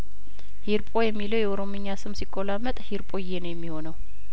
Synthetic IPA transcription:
hiɾpʼojɛmːiləwjɛoɾo̞mɨɲːasɨmsikʼːolamːət̪ʼhiɾpʼojenəwjɛmːiho̞nəw

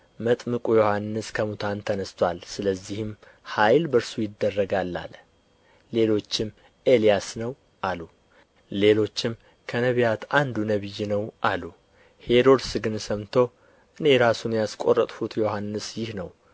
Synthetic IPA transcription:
mət̪ʼmɨkʼujo̞hanːɨskʰəmut̪ʰant̪ʰənəst̪ʰwalsɨləzːihɪm | hajlbəɾsujɪd̪ːərːəɡalːa̰lː | e̞lo̞t͡ʃːɪm | ʔe̞lijasnəw | ʔalu | le̞lo̞t͡ʃːɪm | kʰənəβijat̪ʰand̪unəβɨjːinəwʔalu | he̞ɾo̞d̪sɨɡɨnsəmt̪ʰo̞ | ʔɨne̞ɾasunjaskʼo̞rət̪ʼfut̪jo̞hanːɨsjɪhnəw

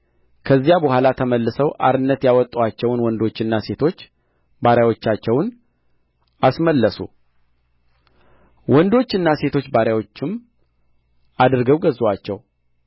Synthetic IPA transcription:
kʰəzːijabəhʷalat̪ʰəməlːɨsəwʔa̰ɾɨnːət̪jawɔt̪ʼːuwat͡ʃːɛwnwɔnd̪o̞t͡ʃːɪnːase̞t̪ʰo̞t͡ʃː | baɾjawo̞t͡ʃːat͡ʃːɛwn | asməlːəsṵ | wɔnd̪o̞t͡ʃːɨnːase̞t̪ʰo̞t͡ʃːbaɾjawo̞t͡ʃːɪm | ad̪ɨɾɡəwɡəzwat͡ʃːɛw

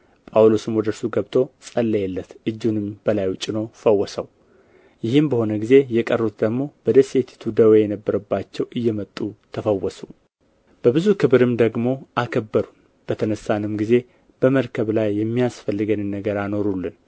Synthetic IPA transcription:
pʼawlosɨmwɔd̪əɾsuɡəβt̪ʰʼo̞sʼəlːəjɛlːət̪ʔɨd͡ʒːunɨmbəlajt͡ʃʼɪnofəwːɔsəw | jɪhɨmbəho̞nəɡize̞jɛkʼərːut̪d̪əɡmo̞b̥əd̪əset̪ʰi̥t̪ʰud̪əwejɛnəbːəɾəbːat͡ʃːɛwʔɨjːɛmət̪ʼːut̪ʰəfəwːɔsu | b̥əbɨzukʰɨβɨɾɨmd̪əɡmo̞ʔakʰəbːəɾun | b̥ət̪ʰənəsːanɨmɡize̞ | b̥əməɾkʰəβlajːɛmːijasfəlːɨɡənɨnːəɡəɾano̞ɾulːɨn

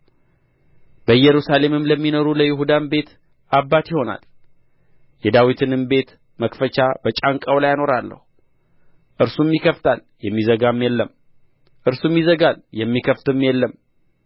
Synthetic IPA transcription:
b̥əjɛɾusale̞mɨmləmːino̞ɾuləjɪɦud̪anbe̞t̪ | ʔabːat̪jɪho̞na̰l | jɛd̪awit̪ʰɨnɨmbe̞t̪ | məkfət͡ʃab̥ət͡ʃʼaŋkʼəwlajano̞ɾalːə̰hu | ʔɨɾsumjikʰəft̪ʰal | jɛmːizəɡamjɛlːəm | ʔɨɾsumjizəɡaljɛmːikʰəft̪ɨmːjɛlːəm

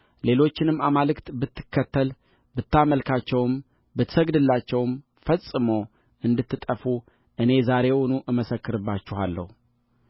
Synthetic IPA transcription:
le̞lo̞t͡ʃːɪnɨmːamalɨkt̪bɨt̪ːɨ̥kːət̪ʰːəl | bɨt̪ːaməlkʰat͡ʃːɛwɨm | bɨt̪ːsəɡd̪ɨlːat͡ʃːɛwɨm | fəsʼɨmo | ʔɨnd̪ɨt̪ːɨt̪ʼəfu | ʔɨne̞zaɾe̞wɔnuʔɨməsəkːɨɾɨbːat͡ʃːɪhalːə̰hu

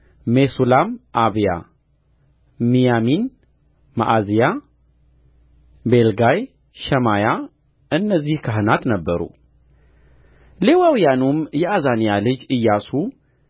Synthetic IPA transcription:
mesulamʔaβija̰ | mijamin | ma̰ʔazija | belɡaj | ʃɛmaja | ɨnːəzːihkʰaɦɨnat̪nəbːəɾṵ | le̞wawijanumjɛazanijalɨd͡ʒɨjːasu

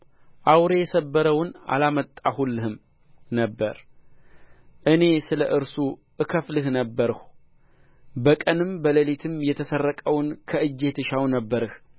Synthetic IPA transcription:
ʔawɾe̞jɛsəbːəɾəwna̰lamət̪ʼːahulːɨhɨm | nəbːəɾ | ʔɨne̞sɨləʔɨɾsuʔɨkʰəflɨhnəbːəɾɨh | bəkʼənɨmbələlit̪ʰɨmjɛt̪ʰəsərːəkʼəwnkʰəɨd͡ʒːe̞t̪ʰɨʃawnəbːəɾɨh

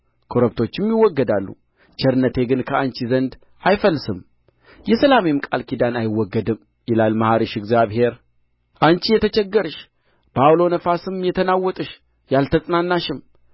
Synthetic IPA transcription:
kʰo̞ɾəbt̪ʰo̞t͡ʃːɪmjɪwːɔɡːəd̪alːṵ | t͡ʃɛɾɨnːət̪ʰe̞ɡɨnkʰəant͡ʃizənd̪ | ʔajfəlːsɨm | jɛsəlamemkʼalkʰid̪anajɪwːɔɡːəd̪ɨm | jɪlalmahaɾiʃɪɡzjaβhe̞ɾ | ʔant͡ʃijɛt̪ʰət͡ʃɛɡːəɾɨʃ | b̥awlo̞nəfasɨmjɛt̪ʰənawːɔt̪ʼɨʃ | jalt̪ʰəsʼnanːaʃɨm

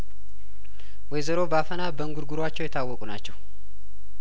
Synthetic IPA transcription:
wɔjzəɾo̞bəafənabəŋɡuɾɡuɾoat͡ʃːɛwjɛt̪ʰːawːɔkʼunat͡ʃːɛw

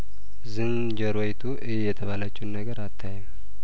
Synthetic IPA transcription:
zɨn | d͡ʒəɾwojt̪ʰuʔɨhejːɛt̪ʰəβalət͡ʃːuwnːəɡəɾat̪ʰːajɛm

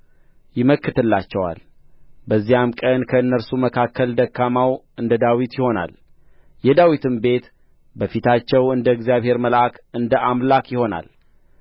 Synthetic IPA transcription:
jɪməkːɨt̪ʰɨlːat͡ʃːɛwa̰l | bəzːijamkʼənkʰəɨnːəɾsuməkʰakʰːəld̪əkʰːamaw | ɨnd̪əd̪awit̪jɪho̞na̰l | jɛd̪awit̪ʰɨmbe̞t̪ | bəfit̪ʰat͡ʃːɛwɨnd̪əɨɡzijaβhe̞ɾməlʔakɨnd̪əʔamlakjɪho̞na̰l

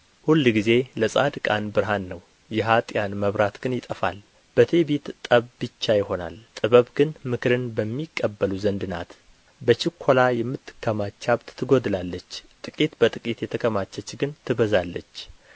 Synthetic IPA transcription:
hulːɡize̞ləsʼad̪kʼa̰nbɨɾɦanːəw | jɛɦat̪ʼjanməβɾat̪ɡ̥ɨnjɪt̪ʼəfa̰l | b̥ət̪ʰebet̪t̪ʼəβbɨt͡ʃːajɪho̞na̰lt̪ʼɨβəβɡɨnmɨkʰɾɨnbəmːikʼːəbːəluzənd̪ɨna̰t̪ | bət͡ʃɪkʰːo̞lajɛmːɨt̪ːɨ̥kʰːəmat͡ʃːaβt̪t̪ʰːɨɡo̞d̪lalːət͡ʃːt̪ʼɨkʼit̪bət̪ʼɨkʼit̪jɛt̪ʰəkʰəmat͡ʃːɛt͡ʃːɡɨnt̪ʰɨβəzalːət͡ʃː

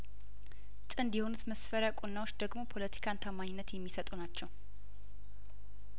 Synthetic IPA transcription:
t̪ʼɨnd̪jɛho̞nut̪məsfəɾəkʼunːawot͡ʃːd̪əɡmo̞pʰo̞lət̪ʰi̥kʰant̪ʰəmaɲɪnːət̪jɛmːisət̪ʼunat͡ʃːɛw

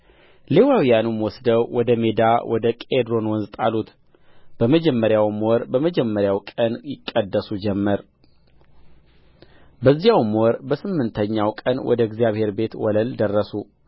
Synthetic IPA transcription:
le̞wawijanumwɔsd̪əwwɔd̪əme̞d̪awʔɔd̪əkʼed̪ɾo̞nwɔnzt̪ʼa̰lut̪ | b̥əməd͡ʒɛmːəɾjawmwɔɾbəməd͡ʒɛmːəɾjawkʼənjɪkʼːəd̪ːəsud͡ʒɛmːəɾ | bəzːijawmwɔɾbəsɨmːɨnt̪ʰəɲːawkʼənwʔɔ̰d̪əɡzjaβhe̞ɾbe̞t̪wɔləld̪ərːəsu

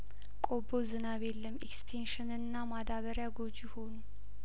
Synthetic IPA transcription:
kʼobozɨnaβelːəmekst̪ʰenʃɨnɨnːamad̪aβəɾjaɡo̞d͡ʒjɪho̞nu

